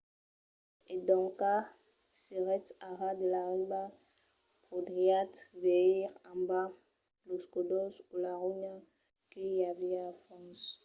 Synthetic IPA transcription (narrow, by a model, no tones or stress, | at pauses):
ed̪ɔ̃ka | seʁɛt̪aʁad̪əlaʁiba | pχod̪ʁiat̪veiʁãmba | loskod̪ɔsulaʁuɲa | kijaviafɔ̃s